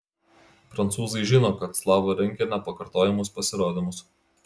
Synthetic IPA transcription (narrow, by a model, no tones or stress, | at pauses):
pɾɐnt̪suːzɐɪʒʲɪnoːkɐt̪slˠɑːʋoɾʲɛŋʲkʲɛnʲɛpɐkɐɾt̪oːjɛmʊspɐsʲɪɾoːd̪ʲɪmʊs